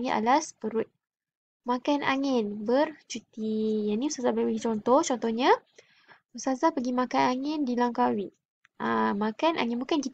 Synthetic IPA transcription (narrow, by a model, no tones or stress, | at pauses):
ŋia̰laspəɾʊt̪̚ | makanʔa̰ŋɪnbərt͡ʃut̪ijaniusazabəpəɡit͡ʃɔnt̪ɔht͡ʃɔnt̪ɔhɲã | usazapəɡimakanaŋɪndilaŋkawi | ʔamakanʔa̰ŋɪ̃nbukankit̪